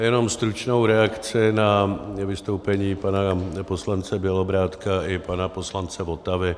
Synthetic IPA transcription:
jɛno̞mst̪ɾut͡ʃno̞wɾɛakt͡sɪnavɪst̪owpɛɲiːpanapo̞slant͡sɛbɪɛlo̞bɾaːt̪kaɪpanapo̞slant͡sɛvo̞t̪avɪ

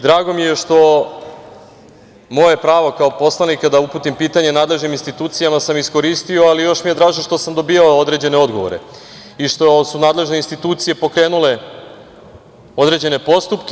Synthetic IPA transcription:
d̪ɾaːɡo̞mijeʃt̪o̞ | mo̞jepɾaːʋo̞kaopo̞slˠanikad̪aupuːt̪impiːt̪aɲe̞naːd̪le̞ʒniminst̪it̪uːt̪sijamasamisko̞ɾist̪io̞alijo̞ʃmije̞d̪ɾaːʒinʃt̪o̞samd̪o̞biːjaood̪ɾe̞d͡ʑe̞ne̞o̞d̪ɡo̞ʋo̞̰ɾe̞̰ | iʃt̪o̞sunaːd̪le̞ʒne̞inst̪it̪uːt̪sije̞po̞kɾe̞ːnule̞ | o̞d̪ɾe̞d͡ʑe̞ne̞po̞st̪upk

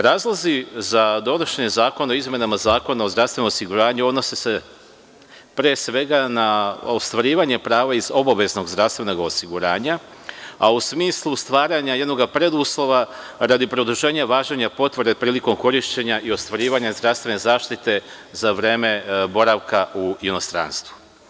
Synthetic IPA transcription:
ɾaːzlˠazizad̪o̞noʃeɲezaːko̞naoizmʲje̞namazaːko̞nao̞zd̪ɾasʋenomosiɡuɾaːɲuod̪no̞sese̞ | pɾeːsʋe̞ɡanao̞st̪ʋaɾiːʋaɲe̞pɾaːʋaizo̞baʋe̞zno̞ɡzd̪ɾafst̪ʋeno̞ɡaosiɡuɾa̰ːɲa | ausmiːslˠust̪ʋaːɾaɲajed̪no̞ɡapɾe̞d̪uslˠo̞ʋaɾad̪ipɾo̞d̪uʒe̞ːɲaʋaːʒeɲapo̞t̪ʋɾd̪e̞pɾiːliko̞mko̞ɾiʃt͡ɕe̞ɲaʔio̞st̪ʋaɾiːʋaɲazd̪ɾaʋst̪ʋe̞ne̞zaːʃt̪it̪e̞ | zaʋɾeːme̞bo̞ɾaʋkauino̞st̪ɾa̰nst̪ʋu̥

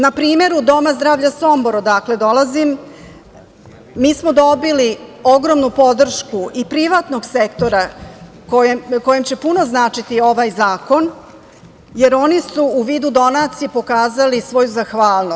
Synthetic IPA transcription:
napɾiːme̞ɾud̪o̞mazd̪ɾaːʋʎaso̞mboɾod̪akle̞d̪o̞lazim | miːsmo̞d̪o̞bilio̞ɡɾo̞mnupo̞d̪r̩ʃkuʔipɾiʋat̪no̞ɡse̞kt̪o̞ɾa | kojeko̞jemt͡ɕe̞puno̞znaːt͡ʂit̪io̞ʋaːjzaːko̞n | je̞ɾo̞nisuːʋiːd̪ud̪o̞nat̪sijepo̞kaːzalisʋo̞juzaxʋaːlno

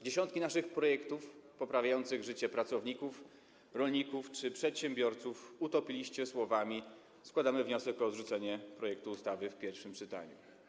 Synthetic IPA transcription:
d͡ʑeɕɔ̃nt̪̚kʲinaʂɘxpɾɔjɛkt̪ufpɔpɾavʲjajɔnt̪sɘɣʐɘt͡ɕɛpɾat̪sɔvɲikuf | ɾɔlɲikuft͡ʂɘpʂɛt̪ɕɛmbʲjɔɾt̪sufut̪ɔpʲilʲiɕt͡ɕɛswɔvamʲi | skwad̪amɘvɲɔsɛkɔd̪ʐut̪sɛɲɛpɾɔjɛk̚t̪uːst̪avɘfpʲjɛɾfʂɘmpt͡ʂɘt̪a̰ɲṵ

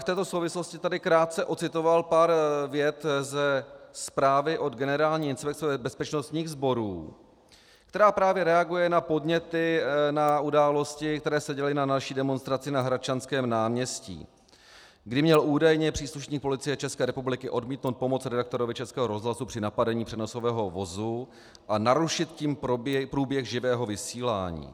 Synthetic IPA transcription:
ft̪ɛːt̪o̞sowvɪsloscɪt̪adɪkɾaːt̪̚t͡sɛʔo̞t͡sɪt̪o̞valpaːɾvjɛt̪zɛspɾaːvɪʔo̞d̪ɡɛnɛɾaːlɲiːɪnspɛk̪̚t͡sɛbɛspɛt͡ʃnost̪ɲiːɣzbo̞ɾuː | kt̪ɛɾaːpɾaːvjɛɾɛaɡujɛnapo̞dɲɛt̪ɪnaudaːlo̞scɪkt̪ɛɾɛːsɛɟɛlɪnanalʃiːdɛmo̞nst̪ɾat͡sɪnaɦɾat͡ʃanskɛːmnaːmɲɛscḭː | ɡdɪmɲɛluːdajɲɛpr̝̥iːsluʃɲiːk̚po̞lɪt͡sɪjɛt͡ʃɛskɛːɾɛpublɪkɪʔo̞dmiːt̪nowt̪̚po̞mo̞t͡sɾɛdak̚t̪o̞ɾovɪt͡ʃɛskɛːɦoɾo̞zɦlasupr̥ɪnapadɛɲiːpr̥ɛno̞so̞vɛːɦo̞vo̞zu | ʔanaɾuʃɪt̪ciːmpɾuːbjɛɣʒɪvɛːɦo̞vɪsiːla̰ːɲḭː

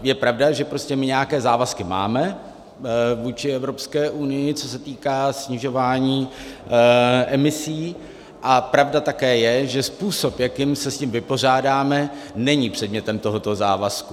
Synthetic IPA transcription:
jɛpɾavdaʒɛpɾo̞scɛmɪɲɛjakɛːzaːvaskɪma̰ːmɛ | vuːt͡ʃɪɛvɾo̞pskɛːʔunɪjɪt͡so̞sɛt̪iːkaːsɲɪʒo̞vaːɲiː | ʔɛmɪsiː | ʔapɾavdat̪akɛːjɛʒɛspuːso̞pjakiːmsɛscɪmvɪpo̞r̝aːdaːmɛ | nɛɲipr̝̥ɛdmɲɛt̪ɛmt̪o̞ɦo̞t̪o̞zaːvasku

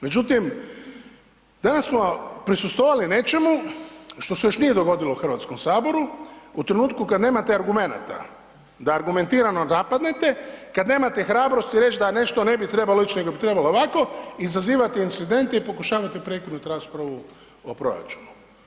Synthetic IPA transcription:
me̞d͡ʒut̪im | d̪anassmo̞pɾisust̪ʋoʋaline̞t͡ʃe̞muʃt̪o̞sejo̞ʃnije̞d̪o̞ɡo̞d̪ilouxr̩ʋaːt̪sko̞msaːbo̞ɾuut̪ɾenuːt̪̚kukad̪ne̞ːmat̪eaɾɡume̞na̰t̪a̰ | d̪aːɾɡume̞nt̪iːɾano̞napad̪ne̞t̪e̞kad̪ne̞ːmat̪exɾaːbɾo̞st̪iɾe̞t͡ʃd̪ane̞ʃt̪o̞ne̞bit̪ɾe̞baloit͡ʃne̞ɡobit̪ɾe̞baloːʋako̞izaziːʋat̪eint̪sid̪e̞nt̪eipo̞kuʃaːʋat̪epɾe̞kod̪nut̪ɾaːspɾaʋu | opɾo̞̰ja̰t͡ʃu̥nu

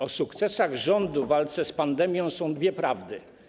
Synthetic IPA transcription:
ɔsukt̪sɛsaɣʐɔnd̪uvalt̪sɛspand̪ɛmʲjɔ̃sɔ̃w̃d̪vʲjɛpɾavd̪ɘ

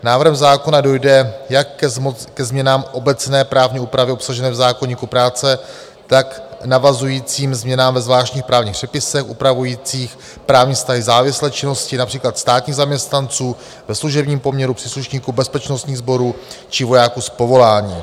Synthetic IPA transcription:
naːvr̩ɦɛmzaːko̞nado̞jdɛjakːkɛzmɲɛnaːmʔo̞bɛt͡snɛːpɾaːvɲiuːpɾavɪopsaʒɛnɛːvzaːkoɲiːkupɾaːt͡sɛ | t̪aknavazujiːt͡siːmzmɲɛnaːmvɛzvlaːʃcɲiːxpɾaːvɲiːxpr̥ɛpɪsɛxʔupɾavujiːt͡siːx | pɾaːvɲiːfst̪aɦɪzaːvɪslɛːt͡ʃɪno̞scɪnapr̥iːklat̪st̪aːt̪ɲiːɣzamɲɛst̪nant͡suː | vɛsluʒɛbɲiːmpo̞mɲɛɾupr̥iːsluʃɲiːkubɛspɛt͡ʃno̞st̪ɲiːɣzbo̞ɾuːt͡ʃɪvo̞jaːkuspo̞vo̞laːɲiː

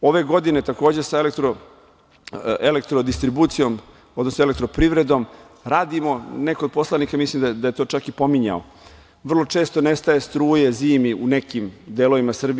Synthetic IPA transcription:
o̞ʋe̞ɡo̞d̪ine̞t̪ako̞ːd͡ʑesaelek̚t̪ɾo | elekt̪ɾod̪ist̪ɾibut̪sijo̞m | od̪nosnoele̞k̚t̪ɾo̞pɾivɾe̞d̪om | ɾaːd̪imo̞nekod̪̚po̞slˠanikamislimd̪ad̪ajet̪o̞ːt͡ʂakipo̞miɲa̰o | ʋr̩lˠo̞t͡ʂeːst̪onest̪aje̞st̪ɾuːje̞ziːmiune̞kimd̪elo̞ʋimasr̩bi

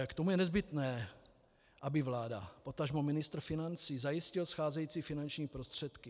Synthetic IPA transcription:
kt̪omujɛnɛzbɪt̪nɛː | ʔabɪvlaːda̰po̞t̪aʒmomɪnɪst̪ɾ̩fɪnant͡siːzajɪscɪlsxaːzɛjiːt͡siːfɪnant͡ʃɲiːpɾo̞st̪r̝̥ɛt̪kɪ

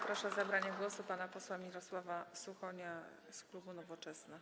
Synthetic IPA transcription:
pɾɔʂazabɾaɲɛɡwɔsupanapɔswamʲiɾɔswavasuxɔɲa | sklubunɔvɔt͡ʂɛsna

